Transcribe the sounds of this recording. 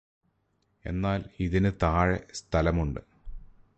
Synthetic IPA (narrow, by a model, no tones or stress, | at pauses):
e̞̰nːaːliðinɨt̪aːɻḛst̪ʰɐlɐmuɳɖɨ